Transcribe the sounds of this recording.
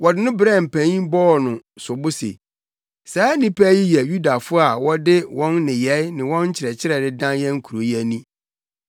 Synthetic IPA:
wɔ˨dɪ˦nʊ̃˦bɪ˦ɾɛ˦˨m̩˨pʰæ̃˨ɲĩ˦bɔ˦ɔ˨nʊ̃˨sʊ˨bʊ˦sḛ˨ | saː˨˦nĩ˦pʰæ˦ji˦jɛ˨ju˦da˨fʊ˦a˨wɔ˦dɪ˦wɔ̃˦nːɪ̃˨jɛ˨˦nɪ̃˨wɔ̃˦n̩˦t͡ɕʰɪ˨ɾɛ˨t͡ɕʰɪ˦ɾɛ˨dɪ˦dã˦njɛ̃˦ŋ̩˦kʰu˨ɾo˨ji˦ɛ˨nĩ˦

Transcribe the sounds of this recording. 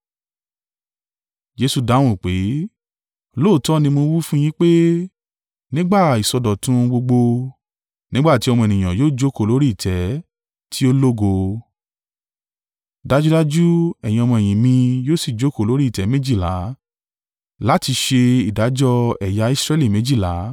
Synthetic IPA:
d͡ʒe˧˦su˧da˨˦w̃ɔ̃˦˨k͡pe˨˦˧ | lo˦˨tɔ˦nĩ˧mo˧wi˦fũ˦j̃ĩ˦k͡pe˦ | nĩ˦ɡ͡ba˦˨i˨sɔ˧dɔ˨tũ˦˧ɡ͡bo˧ɡ͡bo˧ | nĩ˦ɡ͡ba˦˨ti˨˦ɔ˧mɔ̃˧ɛ˨nĩ˨j̃ã˨joː˦˨d͡ʒo˦ko˦˨lo˨˦ɾi˦i˦˨tʰɛ˨˦ | tʰi˦o˦lo˦ɡo˧ | da˦d͡ʒu˦da˦d͡ʒu˦ɛ˨j̃ĩ˧ɔ˧mɔ̃˧ɛ˨j̃ĩ˨mĩ˧joː˦si˦˨d͡ʒo˨˦ko˦˨lo˨˦ɾi˦˨tɛ˨˦mẽ˦d͡ʒi˦˨la̰˨˦ | la˨˦ti˧ʃe˧i˨da˨˦d͡ʒɔ˦ɛ˨ja˨˧i˦˧sɾɛ˧li˦˨mẽ˨˦d͡ʒi˦˨la˨˦

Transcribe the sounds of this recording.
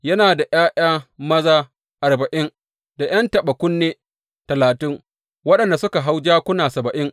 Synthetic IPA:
jɐ˦naː˨da˨j̰aː˦ʔaː˦mɐ˦zaː˦ | ʔa˨rbɐ˨ʔɪ˦n | da˨j̰ɐ˦ntɐ˨ɓɐ˨kʷʊ˦nːeː˦ | tɐ˨laː˨tɪ˦ŋ | wɐ˦ɗɐ˨nda˨sʊ˦ka˨ɦa˦wd͡ʒaː˦kʷʊ˦naː˨sɐ˨bɐ˨ʔɪ˦ŋ

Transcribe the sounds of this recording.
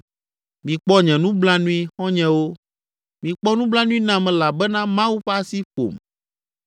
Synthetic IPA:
mĩ˨k͡pɔ˦ɲɛ̃˨nũ˦bla˦nũ˦i˦xɔ̃˦ɲɛ̃˦wo˦ | mĩ˨k͡pɔ˦nũ˦bla˦nũ˦i˦nã˨mɛ̃˨la˨bɛ˦nã˦mã˦wu˦ɸa˦si˦ɸo̰˨m

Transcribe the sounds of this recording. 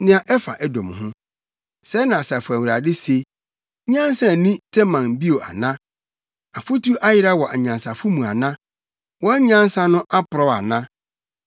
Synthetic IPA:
nɪ̃˦a˨ʔɛ˦fa˨ʔɛ˦dɔ̃˨m˨hʊ̃˦ | sɛ˦nã˨sa˨fʊ˨æ˨wu˨ɾa˨dɪ˦se˨˦ | ɲã˦n˦sã˨nĩ˦tʰɛ˦mã˨n˨bi˦o˨ʔa̰˨nã˦ | a˨fʊ˦tʰu˦ʔa˦jɪ˦ɾa˦wɔ˨ʔa˨ɲã˨nsa˨fʊ˦mũ˨a˨nã˦ | wɔ˦ɲã˦n˦sa˦nʊ̃˦ʔa˦pʰʊ˨ɾɔ˦a̰˨nã˦

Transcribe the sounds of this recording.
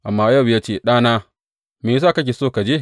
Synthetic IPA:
ʔa˨mːaː˦jɐ˦˨wjaː˦t͡ʃeː˦˨ɗaː˦naː˦ | meː˨˦s̬aː˦˨kɐ˦k̬ʲe˨soː˦ka˨d͡ʒe˦˨

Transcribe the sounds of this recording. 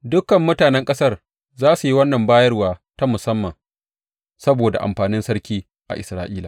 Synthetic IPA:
dʊ˦kɐ˨mːʊ˦taː˨nɛ˦ŋkʼɐ˦sɐ˦r | zaː˦su˨ji˦wɐ˦nːɐ˨mbaː˦jɐ˦rwaː˨ta˦mʊ˨sɐ˦mːɐ˨ŋ | sɐ˦boː˨da̰˨ʔa̰˨mɸaː˨nɪ˦nsɐ˦ɽkʲiː˦ | ʔa̰˨ʔɪ˨sɾaː˦ʔiː˦laː˨

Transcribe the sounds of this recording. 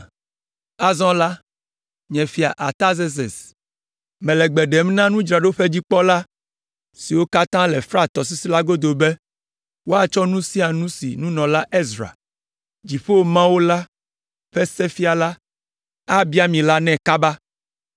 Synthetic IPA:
a˨zɔ̃˦la˦ | ɲɛ̃˨fi˨a˨ʔa˨t̪a˦ze˦s̬ḛ˨s | mɛ̃˨lɛ˨ɡ͡bɛ˨ɖɛ˨mnã˦nũ˦d͡ʒɾa˨ɖo˦ɸe˦d͡ʑi˦k͡pɔ˦la˦ | si˨wo˦ka˦t̪ã˦lɛ˨fɾa˦t̪ɔ˨s̬i˦si˦la˦ɡo˦d̪o˨be˦ | wo˦a˨t͡ʃɔ˦nũ˦si˦a˨nũ˦sḭ˨nũ˦nɔ̃˨la˦ʔe˦zɾa̰˨ | d͡ʒi˨ɸe˦wo˨mã˦wo˦la˦ | ɸɛ˦sɛ˦fi˦a˨la˦ | a˦bi˦a˦mĩ˨la˦nɛ̃˦ka˦ba˦

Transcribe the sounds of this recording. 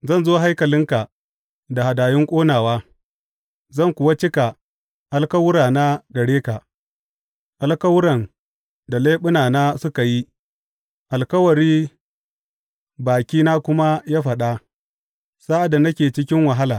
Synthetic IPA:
zɐ˦˨nzoː˦ɦa˦jkɐ˨lɪ˦ŋka˨ | da˨ha˨daː˨jɪ˦ŋkʷʼoː˦naː˨waː˦ | zɐ˦˨ŋkʷʊ˨wa˦t͡ʃɪ˦ka˨ | ʔa˦lkɐ˦wʊ˦ɾaː˨na˦ɡɐ˨ɽeː˦ka˨ | ʔa˨lkɐ˦wʊ˦ɾɐ˨n | da˨leː˦ɓʊ˦naː˨naː˦sʊ˦ka˨ji˦ | ʔa˨lkɐ˦wɐ˨ɽiː˦ | baː˨kʲiː˦naː˦kʷʊ˦ma˦jaː˦ɸɐ˨ɗa˦ | saː˦ʔa˨da˨nɐ˦kʲeː˨t͡ʃɪ˦kʲɪ˦ŋwɐ˨ɦa˦laː˨

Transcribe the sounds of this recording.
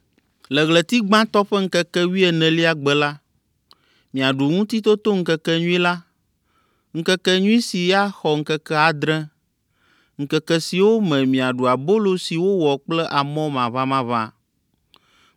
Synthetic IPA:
lɛ˨ɣlɛ˨t̪i˦ɡ͡bã˦t̪ɔ˦ɸɛ˦ŋ̩˦kɛ˦kɛ˦wi˦ɛ˨nɛ̃˨li˦a˨ɡ͡bɛ˨la˦ | mĩ˨a˨ɖu˨ŋũ˦t̪i˦t̪o˦t̪o˦ŋ̩˦kɛ˦kɛ˦ɲũ˦i˦la˦ | ŋ̩˦kɛ˦kɛ˦ɲũ˦i˦si˨ja˦xɔ˨ŋ̩˦kɛ˦kɛ˦a˨d̪ɾɛ̃˦ | ŋ̩˨kɛ˦kɛ˦si˨wo˦mɛ̃˨mĩ˨a˨ɖu˨a˨bo˦lo˦si˨wo˦wɔ˨k͡plɛ˦ʔa˨mɔ̃˦mã˨βa˦mã˦βa̰˦

